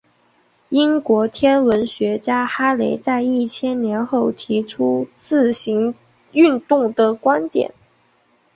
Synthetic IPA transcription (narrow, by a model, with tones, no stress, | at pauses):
i˥nkwɔ˧˥t̪ʰjɛ˥nwə˧˥nɕɥɛ˧˥t͡ɕja˥xa˥le˧˥ɪt͡sa˥˧ɪi˥˩t͡ɕʰjɛ˥nnjɛ˧˥nxo˥˩ʊt̪ʰi˧˥ʈ͡ʂʰu˥t͡sɹ̩˥˩ɕi˧˥ŋ | y˥˧nt̪ʊ˥˩ŋd̪ə˨kwa˥nt̪jɛ̰˨˩˦n